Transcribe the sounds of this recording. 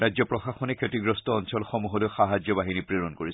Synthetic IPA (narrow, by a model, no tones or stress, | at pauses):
ɹajzɔpɹɔxaxɔnɛkʰetiɡɹɔstɔːnsɔlxɔmuɦɔlojxaɦad͡ʒjɔbaɦinipɹeɹɔnkoɹis